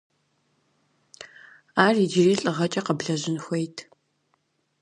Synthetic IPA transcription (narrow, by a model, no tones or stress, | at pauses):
aːrid͡ʒɪriːɬʼɨʁɐt͡ʃʼɐqəbɮɐʑɪnxʷejtʰ